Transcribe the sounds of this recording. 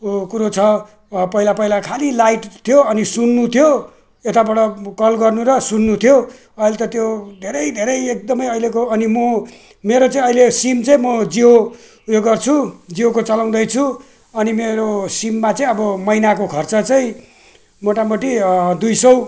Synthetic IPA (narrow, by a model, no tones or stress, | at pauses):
kuɾot͡sʰʌ | pʌilapʌilakʰalilajʈt̪ʰijoʌnisunːut̪ʰjo | et̪abʌɽʌkʌlɡʌrnuɾʌsunːut̪ʰjo | ʌilet̪ʌt̪jod̪ʱeɾʌjd̪ʱeɾʌjek̚d̪ʌmʌjʌilekoʌnimʌ | meɾot͡saĩʌilesimt͡saĩmʌd͡zio | joɡʌrt͡sʰud͡ziokot͡sʌlaw̃d̪ʌjt͡sʰu | ʌnimeɾosimːat͡saĩʌbʌmʌjnakokʰʌrt͡sʌt͡saĩ | moʈamʌʈid̪ujsʌw